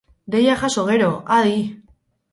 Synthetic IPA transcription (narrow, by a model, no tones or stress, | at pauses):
d̪ejaxasoɣeɾoaði